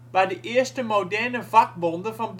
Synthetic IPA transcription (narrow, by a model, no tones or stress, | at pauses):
ʋɑ̈de̝ʔeɐsd̥əmodæɐnəfɑ̈ɡ̥̚ʋondɐfɒmb